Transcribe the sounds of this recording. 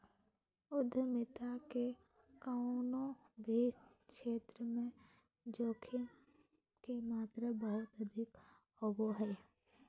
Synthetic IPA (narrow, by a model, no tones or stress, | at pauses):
ʊd̪ʱːəmɪt̪ake | kaʊnõbʱi | kʃeːt̪ɾəmẽ | d͡ʒoːkʰɪm | kemaːt̪ɾəbəɦʊt̪ɐd̪ʱɪk | oːboɦɛː